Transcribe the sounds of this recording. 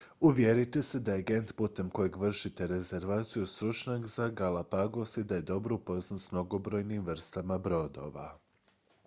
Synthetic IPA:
uʋjeɾit̪ese̞d̪ajeɡe̞nt̪put̪e̞mko̞jeɡʋr̩ʃit̪e̞ɾe̞ze̞ɾʋaːt̪sijust̪ɾut͡ʃɲakzaɡalapaɡosid̪aje̞d̪o̞bɾupo̞znasmno̞ɡo̞bɾo̞jnimʋr̩st̪amabɾo̞d̪o̞̰ʋa̰

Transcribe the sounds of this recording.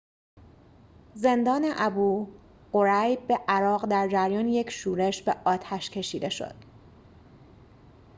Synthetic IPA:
ze̞nd̪ɒːneʔæbuː | ɢo̞ɾæjbbeʔæɾɒːɣd̪æɾd͡ʒæɾjɒːnije̞cʰʃuːɾe̞ʃbeʔɒːt̪ʰæʃcʰe̞ʃiːd̪e̞ʃo̰d̪̥

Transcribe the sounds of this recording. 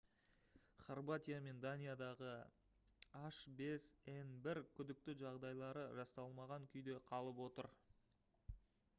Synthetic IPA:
χarbat̪ʲijame̞nd̪anʲijad̪ɑʁə | aʃbe̞se̞nbɪɾkʲʰʏd̪ɪk̚t̪ɪʒɑʁd̪ɑjlˠɑɾəʒɑst̪ɑlˠmɑʁɑŋkʲʰʏjd̪e̞qʰɑlˠəpwo̞t̪əɾ

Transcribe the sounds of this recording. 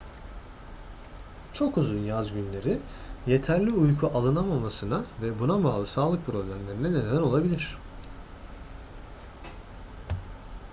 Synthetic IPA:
t͡ʃʰo̞kuzunjazɟynlʲe̞ɾi | je̞t̪ʰæɾlʲiujkʰuʔalˠɯnamamasɯnavɛbunabaːlˠɯsaːlˠɯk̚pʰɾo̞blʲæmlʲe̞ɾinɛned̪æno̞lˠabilʲiɾ̝̥

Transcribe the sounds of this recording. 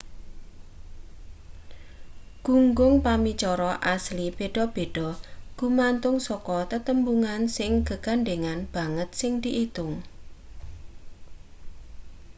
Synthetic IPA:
ɡ̥uŋɡʊŋpamit͡ʃɔɾɔʔaslibeɖ̥ɔb̥e̤ɖ̥ɔ̤ɡ̥umant̪ʊŋsɔkɔt̪ət̪əmbuŋansɪŋɡə̤ɡ̥aɳɖeŋanb̥a̤ŋət̪̚sɪŋd̪̥iʔit̪ʊŋ

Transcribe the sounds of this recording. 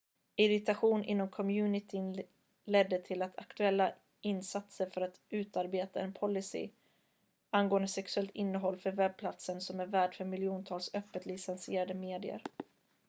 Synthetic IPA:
ɪɾɪt̪aɧuːnʔɪ̰nːɔmkʰɔmjʉ̟ːnɪt̪ʰɪn | lɛd̪ːət̪ʰɪlat̪ʰa̰kt̪ɵɛlːa | ʔɪnːsat̪səɾfœɾat̪ʉ̟ːt̪aɾbeːt̪aɛnpʰɔlːɪsɪ̰ | anɡoːənd̪əsɛksɵɛlt̪ɪnːəɦɔlːfœɾvɛb̚pʰlat̪sənsɔmæɾvæːɖfœɾmɪlɪuːnt̪ʰɑːlsœpːət̪lɪsɛnsɪeːɾad̪əmeːd̪ɪə̰ɾ

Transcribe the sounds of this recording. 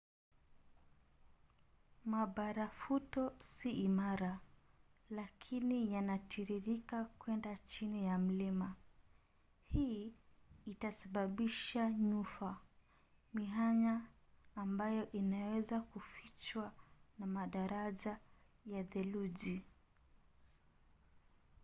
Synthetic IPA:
maɓaɾafutɔsiːmaɾa | lakʰinijanatʰiɾiɾikakwɛndat͡ʃinijam̩lima | hi | itasaɓaɓiʃaɲufa | miɦaɲaː | mbajɔʔinawɛzakufit͡ʃwanamaɗaɾaʄa | jaðɛluʄi

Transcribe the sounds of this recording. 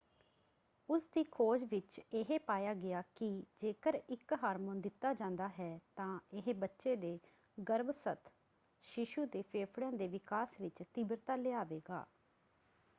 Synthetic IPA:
ʊsd̪iːkʰoːd͡ʒʋɪt͡ʃɪɦeːpaːjaːɡɪaːkɪd͡ʒeːkəɾɪkɦaːɾmõːnd̪ɪt̪ːaːd͡ʒãːnd̪aːɦɛːt̪ãːɪɦebətːʃeːd̪eː | ɡəɾbsət̪ʰ | ʃɪʃuːd̪eːpʰeːpʰɽãːd̪eːʋɪkaːsʋɪt͡ʃt̪ɪbɾt̪aːleaːʋeːɡa̰ː

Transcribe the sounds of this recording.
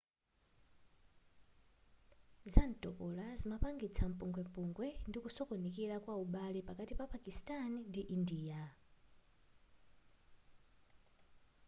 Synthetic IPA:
zantʼɔpɔlazimapaŋɡit͡sʰam̩puŋɡwɛmpuŋɡwɛndikusɔkɔnikilakwauɓalipakatipapakistanndiʔindiːa

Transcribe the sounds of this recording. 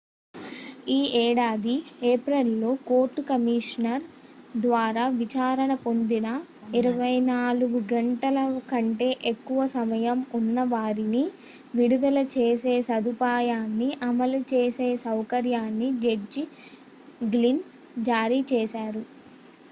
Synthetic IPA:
iːʔɛːɽaːd̪ieːpɾɐlːoːko̞ːɾʈːukɐmiːʂnɐɾ | d̪ʋaːɾaːʋit͡ʃaːɾɐɳɐpo̞nd̪inɐiɾɐʋɐjnaːluɡuɡɐɳʈɐlɐkɐɳʈe̞ːʔekːuʋɐsɐmɐjɐmunːɐʋaːɾini | ʋiɽud̪ɐlɐt͡ʃeːse̞ːsɐd̪upaːjaːnːiʔɐmɐlut͡ʃeːseːsɐwkɐɾjaːnːid͡ʒed͡ʒi | ɡlin | d͡ʒaːɾit͡ʃɛːsaːɾu

